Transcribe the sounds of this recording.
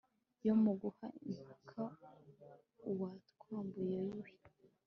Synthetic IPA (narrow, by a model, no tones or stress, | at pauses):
jomuɡuhaʔimpakʰa | uwatkaːmbujejiwi